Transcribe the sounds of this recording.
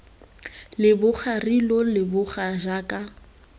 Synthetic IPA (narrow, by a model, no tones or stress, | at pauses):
lɪbʊk͡xʰarilɔlɪbʊχaʒaːkʼa